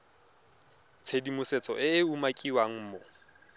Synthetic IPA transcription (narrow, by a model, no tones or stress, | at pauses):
t͡sʰedimʊset͡sʼɔ̰ʔɪːumakʼiwaŋ̩ːmɔ